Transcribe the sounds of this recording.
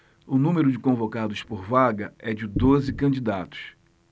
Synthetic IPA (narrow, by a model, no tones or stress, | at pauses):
ʊnũmeɾʊd͡ʒɪkõvokad̪ʊspoɾvaɡɐɛd͡ʒɪd̪ozɪkɐ̃d͡ʒid̪at̪ʊ̥s